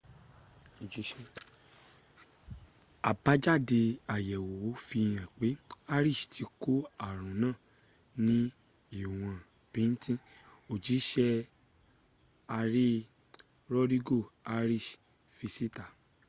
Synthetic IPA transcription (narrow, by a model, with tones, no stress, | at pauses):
o˨d͡ʒi˨˦ʃɛ˦˧ | a˨ba˨˦d͡ʒa˦˨de˧a˨jɛ˨wo˨o˨˦fi˧j̃ã˨k͡pe˨˦a˧ɾi˦˨ʃti˧ko˦a˦˨ɾ̃ũ˨˦nãː˦˨ | nĩ˦ | i˦˨w̃ã˨ | pĩ˨˦n̩˦tĩ˦ | o˨d͡ʒi˨˦ʃɛ˧ | a˧ɾe˦ | ɾɔ˦ɾi˦ɡo˦˨a˧ɾi˦˨ʃ | fi˧si˦ta˨